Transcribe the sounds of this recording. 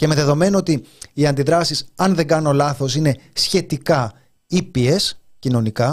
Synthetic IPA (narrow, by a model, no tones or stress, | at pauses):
ceme̞ðe̞ðo̞me̞noot̪iːɐnd̪iðɾɐsisɐnðe̞ŋɡɐno̞lɐθo̞sine̞sçe̞t̪ikɐ | ipie̞s | cino̞nikɐ